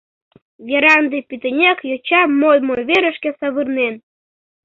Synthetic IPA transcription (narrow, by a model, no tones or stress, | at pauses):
vʲeɾɑnd̪epyt̪enʲekjot͡ɕɑmolmojβeɾə̆ʃkĕsɑβɯrnen